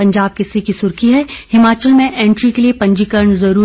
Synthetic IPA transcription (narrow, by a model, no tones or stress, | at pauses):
ɐ̃ɲd͡ʒaːb̚kesikisʊɾkiɦɛhɪmaːt͡ʃəlmẽʔẽːɳʈɾikeliepɐ̃ɲd͡ʒikəɾɳzɐɾuː